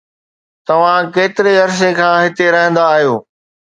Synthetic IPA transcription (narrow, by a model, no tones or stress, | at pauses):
t̪ɐʋ̤ãkeːt̪ɪɾeɐɾs̬ekʰãːɦɪt̪eɾɐɦɪ̃nd̪aːɦijoː